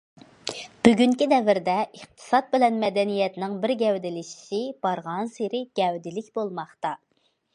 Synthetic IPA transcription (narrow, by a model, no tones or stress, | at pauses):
b̥yɡʲyŋkʲid̪ɛvɪɾd̪ɛʔəχt̪ʰɨ̥sɑt̪̚bɪlɛnmɛd̪ɛnijɛt̪nɪŋbɪɾɡʲɛwd̪ɪlɪʃi̥ʃɪb̥ɑɾʁɑnseɾɪɡ̥ʲɛwd̪ɪlɪkʲbolˠmɑχt̪ɑ